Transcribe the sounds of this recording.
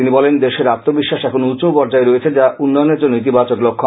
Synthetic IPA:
inibɔlend̪eʃeɾat̪ːobiʃːaʃɛkʰonout͡ɕopɔɾd͡ʑaeɾoet͡ɕʰed͡ʑaʔunːɔjoneɾd͡ʑonːoit̪ibat͡ɕoklokʰːo

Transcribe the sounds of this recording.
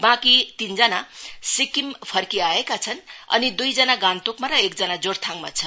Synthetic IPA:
bãkit̪ind͡zʌnasikimpʰʌrkiaekat͡sʰʌnʌ̰nid̪ujd͡zʌnaɡant̪okmaɾʌek̚d͡zʌnad͡zort̪ʰaŋma̰t͡sʰʌ

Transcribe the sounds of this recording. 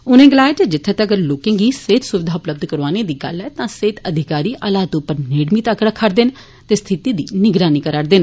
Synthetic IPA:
ʊnẽːɡəlaːeːt͡ʃeːd͡ʒɪt̪ʰːeːt̪ːəɡəɾloːkẽːɡiːseːt̪sʊʋɪd̪ʱaːʊpləb̚d̪kəɾʋaːneːd̪iːɡə̰lɛːt̪ãːseːt̪əd̪ʱɪkaːɾiːʔaːlaːt̪ʊpːəɾneːɽmiːt̪aːkɽəkʰːəɾd̪ɪn | t̪eːst̪ʰɪt̪iːd̪iːnɪɡɾaːniːkəɾaɽd̪ɪn

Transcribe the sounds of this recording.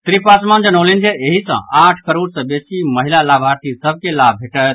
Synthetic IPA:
t̪ɾipasmand͡ʒənəlind͡ʒeeɦisə̰̃aʈʰkəɾoɽsə̃besiməɦilalabʱaɾt̪isəb̚ʱkelabʱeʈə

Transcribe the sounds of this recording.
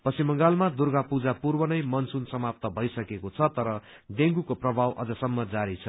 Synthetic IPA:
pʌsimʌŋɡalmad̪urɡapud͡zapurbʌnʌjmʌnsunsʌmap̚t̪ʌbʱʌjsʌkekot͡sʰʌt̪ʌɾʌ | d̪eŋɡukoprʌbʱawʔʌ̰d͡zʌsʌmːʌd͡zaɾit͡sʰʌ

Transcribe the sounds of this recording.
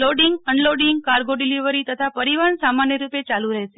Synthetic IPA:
loɖiŋɡəɳloɖiŋɡ̚kaɾɡoɖiliʋəɾit̪ət̪ʰapəɾiʋansamanjəɾupet͡ʃaluɾəɦet͡ʃe

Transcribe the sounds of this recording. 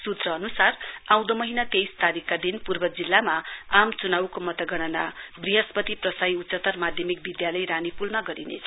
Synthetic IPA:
sut̪rʌːnusarãw̃d̪omʌɦinat̪ejst̪aɾikːad̪inpurbʌd͡zilːamaamt͡sunawkomʌt̪ʌɡʌɽ̃ʌnabriɦʌspʌt̪iprʌsajut̪sʌt̪ːʌrmad̪ʱjʌmik̚bid̪jalʌjɾanipulmaɡʌɾinḛt͡sʰʌ

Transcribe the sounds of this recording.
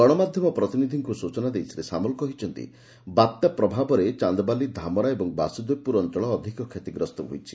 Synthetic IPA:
ɡɔɽ̃ɔmad̪ʱjɔmɔpɾɔt̪inid̪ʱiŋkusut͡ʃɔnad̪ejsʰiɾesamɔlkɔɦit͡ʃʰɔnt̪ḭ | bat̪japɾɔbʱabɔɾet͡ʃand̪ɔbalid̪ʱamɔɾaebɔŋba̰sud̪ojpuɾɔnt͡ʃɔɭɔːd̪ʱikɔkʰet̪iɡɾɔst̪ɔɦo̰jt͡ʃʰi̥

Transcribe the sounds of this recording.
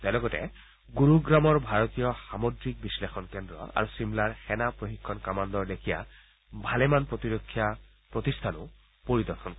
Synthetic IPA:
t̪ɛlɔɡɔtɛ̰ | ɡuɹuɡɹamɔɹbʱaɹɔt̪ijɔxamodɹik̚bislexɔnkɛndɹɔ̰a̰ɹusimlaɹxɛnapɹoxikʰːɔnkamand̪ɔɹdekʰija̰ | bʱalɛmanpɹot̪iɹokʰːija | pɹot̪istʰanʊ̰ | poɹid̪ɔɹxʰɔnkɔ

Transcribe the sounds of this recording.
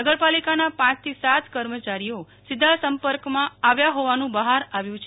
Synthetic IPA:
əɡəɾpalikanapãt͡ʃt̪ʰisat̪kəɾmət͡ʃaɾijo | sɪd̪ʱasəmpəɾkmãaʋjaɦoʋanũbəɦaɾaʋjũt͡ʃʰ

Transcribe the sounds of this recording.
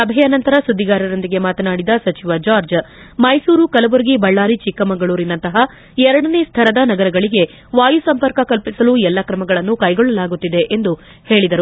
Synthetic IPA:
sɐbʱɛjɐnɐnt̪ɐɾɐsud̪ːiɡaːɾɐɾo̞nd̪iɡe̞maːt̪ɐnaːɽid̪ɐsɐt͡ʃiʋɐd͡ʒaːɾd͡ʒ | mɐjsuːɾukɐlɐʋuɾɡibɐɭːaːɾit͡ʃikːɐmɐŋɡɐɭuːɾinːɐnt̪ɐɦɐ | ɛɾɐɽɐne̞ːst̪ʰɐɾɐd̪ɐnɐɡɐɾɐɡɐɭiɡe̞ | ʋaːjusɐmpɐɾkɐkɐlpisɐluɛlːɐkɾɐmɐɡɐɭɐnːukɐjɡɔɭːɐlaːɡut̪ːid̪e̞ʔend̪u | he̞ːɭid̪ɐɾu

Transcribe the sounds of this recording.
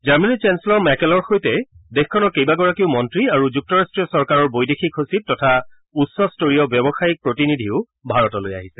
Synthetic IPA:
d͡ʒaɹmɛnit͡ʃɛnslɔmɛkɛlɔɹxojtɛdexkʰɔnɔɹkejbaɡɔɹakiʊmɔntɹiaɹuzuk̚tɔɹastɹijɔsɔɹkaɹɔɹbojdexikʰosit̚tɔtʰa | usɔstoɹijɔbjɔbɔxajik̚pɹotinidʱiʊ | bʱaɹɔtɔloja̰ɦisɛ̥

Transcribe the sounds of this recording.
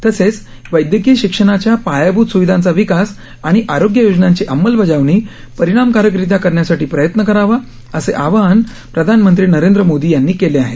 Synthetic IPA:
t̪əset͡s | ʋəjd̪jəɡiːɕikʂəɽ̃at͡ɕjapajabut̪suʋid̪ʱãnt͡saʋikas | aɽ̃iʔaɾoɡjəjod͡znãɲt͡ɕeʔəmːəlbʱəd͡zaʋɳ̃iː | pəɾiɽ̃amkaɾjəkɾit̪̬akəɾɳjasaʈiːpɾəjət̪nəkəɾaʋa | əseʔaʋan | pɾəd̪ʱanmənt̪ɾiːnəɾend̪ɾəmod̪iːjanːiːkeleaɦet̪

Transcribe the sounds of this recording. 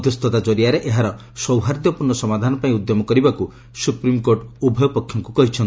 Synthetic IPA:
d̪just̪ʰɔt̪ad͡ʒɔɾiaɾeʔeɦaɾɔ | sɔwɦaɾd̪jɔpuɾnːɔsɔmad̪ʱanɔpaĩud̪jɔmɔkɔɾibaku | supɾimkoɾʈubʱɔjɔpɔkʰːjɔŋkukɔɦit͡ʃʰɔn

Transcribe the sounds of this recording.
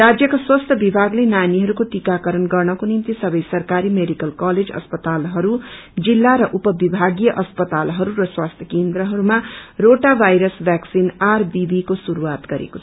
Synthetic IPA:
rad͡zjʌkaswʌst̪ʰʌbibʱaɡlenaniɦʌɾukoʈikakʌɾʌnɡʌrnʌkonimt̪isʌbʌjsʌrkaɾimeɖikʌlkaled͡zʌ̰spʌt̪alɦʌɾu | d͡zilːaɾʌʔupʌbibʱaɡijʌʔʌspʌt̪alɦʌɾuɾʌswast̪ʰjʌkend̪ɾʌɦʌɾumaroʈabʱajɾʌsbjaksinarbibikosuɾuwat̪ɡʌɾḛko̥t͡sʰʌ

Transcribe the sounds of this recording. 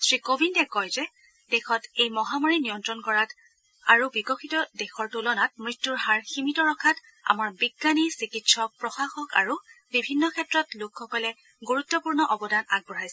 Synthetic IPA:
sɹikobʱintɛkɔjzɛ | d̥ɛxɔtejmɔɦamɔɹinijɔntɹɔnkɔɹat | aɹubikɔxʰitɔdexɔɹtulɔnat̚mɹitːuɹhaɹximitɔɹɔkʰat | a̰maɹbiɡːanisikitsɔk̚pɹɔxaxɔka̰ɹubibʱinːɔkʰɛtɹɔtlukxɔkɔlɛ | ɡuɹutːɔpuɹnɔʔɔbɔdʱanaɡ̚bɔɹajsɛ

